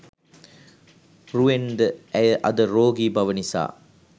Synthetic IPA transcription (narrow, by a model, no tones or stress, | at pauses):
ruend̪əæjəʔɐd̪əɾoːɡiːbɐʋənisa̰ː